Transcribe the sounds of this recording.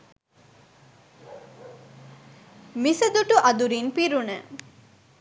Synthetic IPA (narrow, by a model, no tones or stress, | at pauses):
misəd̪uʈuʔɐd̪uɾinpiɾunə